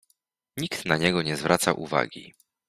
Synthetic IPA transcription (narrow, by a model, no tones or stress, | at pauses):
ɲikt̪naɲɛɡɔɲɛzvɾʔat̪saʔṵva̰ɡʲḭ